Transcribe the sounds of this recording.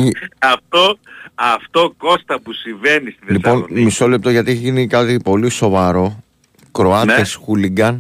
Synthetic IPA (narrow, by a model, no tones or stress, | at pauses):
ɐft̪oɐft̪o̞ko̞st̪ɐpusiɱvenist̪iðlispo̞nmiso̞le̞p̚t̪oʝɐt̪ieçeʝinikɐt̪ipo̞liso̞vɐɾo̞ | kɾo̞ɐtesxuliɡɐn